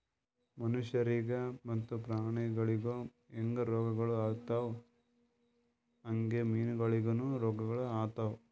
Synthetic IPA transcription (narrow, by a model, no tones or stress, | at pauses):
mɐnuʃjɐɾiɡɐmɐt̪ːupɾaːɳɛɡɐɭiɡo | eŋɡɐɾɔːɡɐɡɐɭuaːt̪aw | ɐŋɡemiːnuɡɐɭiɡonuɾɔːɡɐɡɐɭuaːt̪aw